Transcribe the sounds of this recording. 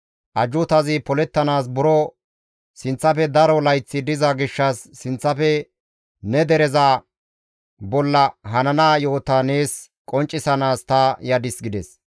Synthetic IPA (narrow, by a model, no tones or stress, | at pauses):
ʔɐd͡ʒʊt̪ɐzɪpɔlɛt̪ːɐnaːs̬bʊɾɔ | sɪnt͡sːɐfɛd̪ɐɾɔlɐjt͡sːɪd̪ɪzɐɡɪʃːɐsːɪnt͡sːɐfɛ | nɛd̪ɛɾɛza | bɔlːɐɦɐnɐnaːjoːt̪ɐne̞ːs | kʼɔnt͡ʃʼːɪsɐnaːst̪ɐjɐd̪ɪsɡɪd̪ɛs